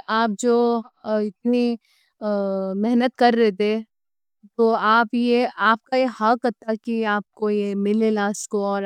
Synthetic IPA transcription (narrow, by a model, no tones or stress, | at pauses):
ʔaːp̚d͡ʒoːɪt̪̚ni | mɛɦnət̪kɐɾːɛet̪e | t̪oːaːpjeaːp̚kajehakɐt̪akiaːp̚kojemɪlelaːskoɔːɾ